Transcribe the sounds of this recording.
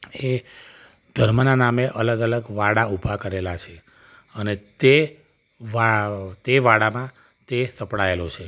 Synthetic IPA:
e | d̪̥ʱəɾmənanameʔələɡələɡʋaɽaubʱakəɾelat͡ʃʰe | ənet̪e | ʋat̪eʋaɽamã | t̪esəpɽaelot͡ʃʰe

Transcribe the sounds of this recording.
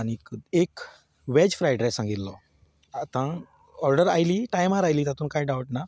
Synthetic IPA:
añikek | ʋɛd͡ʑfɾajɖɾesãŋɡit̪lɔ | at̪ã | ɔɾɖəɾajliʈajmaɾajliːt̪at̪uːnkajɖawʈna

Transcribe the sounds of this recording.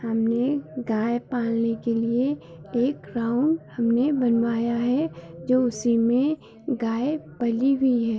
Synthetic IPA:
hɐmnneɡaːjepaːlnekelie | eːkɾaːʊɳɖhɐmnebɐnʋaːjaɦɛd͡ʒoːʊsimẽ | ɡaːepɐliɦʊiɦɛː

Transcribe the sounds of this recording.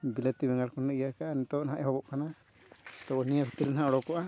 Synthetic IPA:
bilat̪ibɛŋaɽkɔnːaijakaʔanit̪ɔɔnɦaʔɛɦɔbɔʔkana | t̪ɔɔnijapʰit̪iɾinɦaɔɽɔkɔʔa

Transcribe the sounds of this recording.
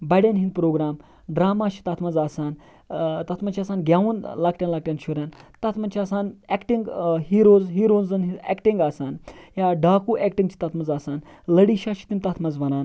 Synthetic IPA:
bɐɽʲanɦind̪̚pɾoːɡɾaːm | ɖɾaːmaːʃi̥t̪at̪ʰmɐzaːsaːn | t̪ɐt̪ʰmɐnt͡ʃʰaːsaːnɡʲaːʋunlak̚ʈʲjãːnlaːk̚ʈʲjaːnʃʰoɾʲjaːnt̪ɐt̪ʰmɐnt͡ʃʰiaːsaːnɛkʈiŋɡɦiːɾoːzɦiːɾoːnzɐnɦiɛ̰kʈiŋɡaːsaːnjaːɖaːkuːʔɛːkʈĩŋɡt͡ʃʰi̥t̪ɐt̪ʰmɐzaːsaːn | ləɽiʃaːʃi̥t̪imt̪ɐt̪ʰmɐzʋɐnaːn

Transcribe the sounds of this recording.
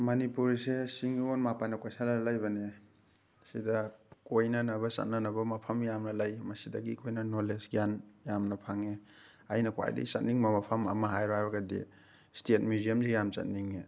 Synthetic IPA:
mɐnipuɾsesiŋonmapanɐkojsanalajbɐne | sidɐkojnɐnɐbɐsɐ̰t̚nɐnɐbɐmɐpʰɐmjamnɐlɐjmɐsidɐɡikʰojnɐnolesɡjanjamnɐpʰaŋe | ajnɐkowa̰jdɐ̰ɡisɐ̰t̚niŋmɐmɐpʰɐmɐ̰mɐɦajɾoajbɐɡɐdḭ | stet̚midiɐmzijamt͡ʃɐ̰t̚niŋe

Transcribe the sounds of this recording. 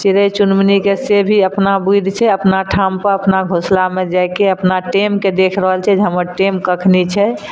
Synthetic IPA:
t͡ʃiɾət͡ʃunmnikesebʱiəpnabud̪ʱt͡ʃʰɛəpnaʈʰampəɾəpnaɡʱoslamed͡ʒajkeəpnaʈemked̪ekʰɾəɦəlt͡ʃʰɛd͡ʒɦəməɾʈemkəkʰnit͡ʃʰɛ

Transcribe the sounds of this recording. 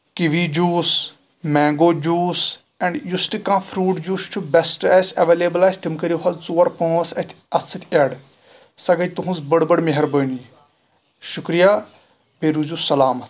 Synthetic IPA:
kiʋid͡ʒuːs | mɛ̃ːŋɡoːd͡ʒuːs | ɛ̃ɳɖjusʈɨkãːfʰɾuːʈd͡ʒuːst͡ʃʰubɛsʈɛːsʲɐʋeːleːbəlasʲʈ̪imkɐɾijoɦɐːt͡soːɐɾpõːsɐt̪ʰ | ɐssɐt̪ʲʰeɖ | sɐɡɐt̪uɦũnzbɐɽbɐɽmeɦɐɾbəni | ʃukɾijaː | peːɾuːzuːsɐlaːmɐt̪ʰ

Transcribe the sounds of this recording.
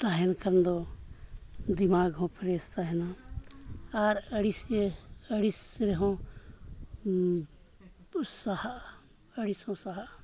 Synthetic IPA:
t̪aɦɛnkɐnd̪ɔ | d̪imaːɡɦɔ̃pʰɾɛst̪aɦɛna | aɾəɽisəɽisɾɛɦɔ̃ | sahaʔ | əɽishɔ̃saɦaʔ

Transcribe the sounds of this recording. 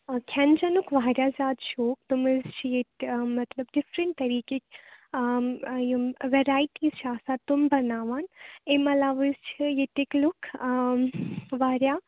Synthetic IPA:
kʲʰɐnd͡ʒɐnʊkʰʋaːɾʲjazʲjaːd̪ʃoːk̚t̪ʊmɨzt͡ʃʰijemɐt̪lɐbɖɪfɾɪ̃ɳʈt̪ɐɾiːkekʲ | jʋeɾaːiʈiːzt͡ʃʰaːsaːt̪ʊmbɐnaːʋaːnemɐlaːʋɨzt͡ʃʰijet̪iklʊkʰ | ʋaːɾjaː

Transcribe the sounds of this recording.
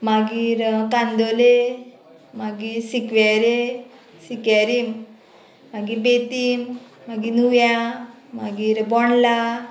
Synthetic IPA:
maɡiːɾkand̪ole | maɡiɾsikʋaɾe | sikaɾim | maɡibet̪iːmː | aɡinuja | maɡiːɾbɔɳla

